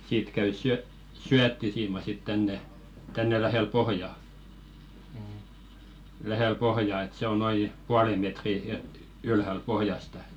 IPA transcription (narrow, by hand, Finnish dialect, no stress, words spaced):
siːt kæy syø syætːisiːmɑ sit tænːe tænːe læheˑl pohjɑ læheˑl pohjɑˑ et se o noi puɑle metri e ylhæl pohjɑstɑ